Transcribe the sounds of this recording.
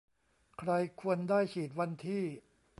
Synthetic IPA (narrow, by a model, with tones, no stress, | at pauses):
kʰɾa˧jkʰu˧əndaː˥˩jkʰiː˨˩t̪̚wa˧nt̪ʰiː˥˩